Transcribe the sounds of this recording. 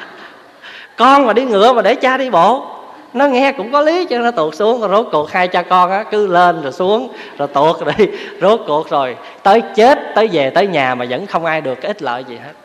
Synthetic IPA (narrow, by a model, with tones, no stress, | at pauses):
kɔ˧nmaː˨˩ɗi˧ŋɨ̰˧˩˨əmaː˨˩ɗe˧˩t͡ɕaː˧ɗi˧ɓo˧˨ | nɔ˨˦ŋɛ˧kʊ̰˧˥ŋ͡mkɔ˨˦li˨˦t͡ɕnɔ˨˦t̪u˨˩ək̚su˨˦əŋ˨˩zo˦˥t̚ku˨˩ək̚haː˧jt͡ɕɔ˧kɔ˧nʔaː˧˥kɨ˨˦le˧nzo˨˩jsu˨˦əŋ | zo˨˩jt̪u˨˩ək̚ɗe˨˩jzo˦˥t̚ku˨˩ək̚zo˨˩j | t̪əː˨˦jt͡ɕe˦˥t̚t̪əː˨˦jve˨˩t̪əː˨˦jɲaː˨˩maː˨˩zə̰˧˥nxə˧wŋ͡mʔaː˧jɗɨ˨˩əkaː˨˦ʔi˦˥t̚lə̰ː˧˨jzi˨˩he˦˥t̚